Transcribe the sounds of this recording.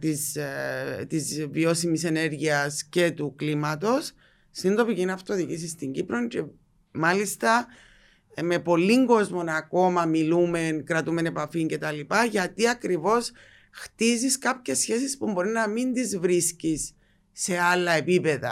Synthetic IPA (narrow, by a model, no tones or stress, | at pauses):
t̪iz | t̪izvio̞simise̞ne̞ɾʝiɐsce̞t̪uklimɐt̪o̞sː | ind̪o̞picinɐft̪oðiʝis̬ist̪iɲɟipɾo̞ɲce̞ | mɐlist̪ɐ | me̞po̞lːiŋɡo̞zmonɐko̞mɐmilume̞nkɾɐt̪ume̞ne̞pɐfiɲce̞t̪ɐlipɐʝɐt̪iɐkɾivo̞s | xt̪iziskɐpçesçe̞sispumbo̞ɾinɐmind̪izvɾiscisː | e̞alːɐe̞pipe̞ðɐ̰